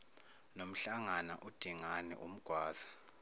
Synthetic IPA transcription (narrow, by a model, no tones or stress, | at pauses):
nom̩ɬaŋanaʔud̥ʱiŋanɛ̰ʔum̩ɡ̥ʱwaːz̥ḁ